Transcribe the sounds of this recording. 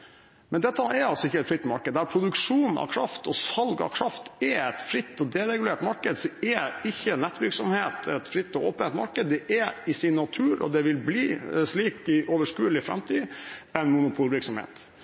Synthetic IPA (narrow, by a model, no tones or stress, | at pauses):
mɛnd̪ɛt̪ːəɛɾɑlsɔɪçːəɛt̪fɾɪt̪ːmɑɾkəd̪æɾpʰɾʊd̪ʉkʂuːnn̩ʔɑ̰ʋkʰɾɑft̪ɔsɑlɡɑ̰ʋkʰɾɑft̪ɛɛt̪fɾɪt̪ːɔd̪ɛɾɛɡʉleːʈmɑɾkəd̪sɔɛɪçːənːɛt̪ːʋɪɾksɔmheːt̪ɛt̪fɾɪt̪ːɔo̰ːpənɛt̪mɑɾkəd̪ːɛʔɛɪsɪnːɑt̪ʰʉːɾɔ̰d̪ɛʋɪlbliːʂliːkɪʔoʋəʂkʉːlɪfɾɛ̰mt̪ʰiːɛnmʊnʊpʰuːlʋɪɾksɔmhḛːt̪